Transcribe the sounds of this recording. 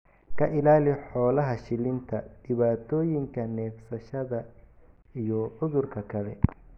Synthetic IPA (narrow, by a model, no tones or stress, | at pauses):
kʰɐʔɪlaːlɪħɔːlɐɦɐʃɪlɪnt̪ʰɐd̪̥ɪβaːt̪ʰɔːjɪŋkʰɐnɛːfsɐʃɐðɐ | ijɔʕʊðʊrkʰɐkʰɐlɛ̰